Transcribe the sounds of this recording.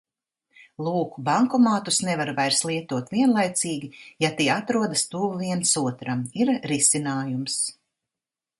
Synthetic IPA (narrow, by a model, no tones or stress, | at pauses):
lˠuːkubaŋkɔmaːt̪usnɛvaɾvajɾslˠiɛt̪uɔt̪viɛnlˠajt̪siːɡʲijat̪iɛat̪ɾuɔd̪ast̪uːvviɛnsuɔt̪ɾamiɾɾisinaːjums